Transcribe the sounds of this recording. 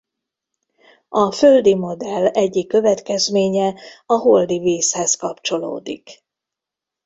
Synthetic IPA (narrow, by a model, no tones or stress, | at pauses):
ɒføld̪imo̞d̪ɛlːɛɟːikːø̞vɛt̪kɛzmeːɲɛɒɦold̪iveːshɛskɒpt͡ʃo̞lo̰ːd̪ḭk